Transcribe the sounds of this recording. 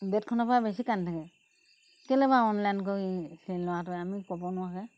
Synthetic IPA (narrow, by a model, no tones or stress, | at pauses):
bɛt̚kʰɔnapaabesikantʰakɛ | kɛlɛbaɔnlankoisɛlɔwatɔamikɔbɔnʊwakɛ